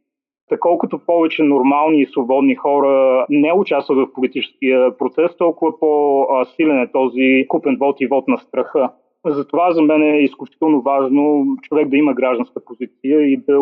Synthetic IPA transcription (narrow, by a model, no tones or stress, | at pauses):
t̪ɐkɔlˠkʊt̪opɔvɛt͡ʃɛnoɾmalˠniːsvobɔd̪nixɔɾənɛʊt͡ʃast̪vət̪vɐfpolit̪it͡ʃɛ̥skiəpɾot̪sɛst̪ɔlˠkʊvəposilɛnɛt̪ɔzikupɛnvɔt̪ivɔt̪nɐst̪ɾɐxɤ | zɐt̪ovazɐmɛnɛːisklʲʊt͡ʃi̥t̪ɛlˠnovaʒnot͡ʃovɛk̚d̪ɐiməɡɾaʒd̪ɐ̃nskəpozit̪sijəid̪ɐ